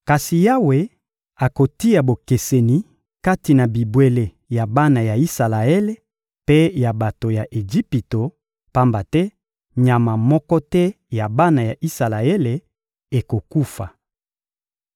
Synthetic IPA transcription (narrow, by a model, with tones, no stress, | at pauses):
ka˨si˨ja˦we˨ | a˨ko˨ti˦ja˨bo˨ke˨se˨ni˨ | ka˦ti˨na˨bi˨bwe˨le˨ | ja˨ba˦na˨ja˨i˦sa˨la˨e˦le˦ | pe˦ja˨ba˨to˨ja˨ʔe˨d͡ʒi˦pi˨to˨ | pa˦mba˨tɛ˦ | ɲa˨ma˨mɔ˦kɔ˦tɛ˦ | ja˨ba˦na˨ja˨ʔi˦sa˨la˨e˦le˨ | e˨ko˨ku˦fa˨